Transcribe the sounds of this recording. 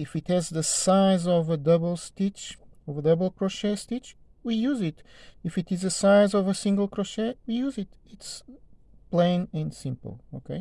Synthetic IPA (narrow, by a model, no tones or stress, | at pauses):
ɪfɨthɨzðɨsaɪzɔvədʌbl̩ˠstit͡ʃɔvədʌbl̩ˠkɹɔʃestit͡ʃ | wijuzɪt | ɨfɨtɨzɨsaɪzɔvəsĩŋɡəl̩ˠkɾɔʃewijuzɪtɪts | plẽɪ̃nɨ̃nsɪ̃mpə̰l̩ˠo̰kʰeɪ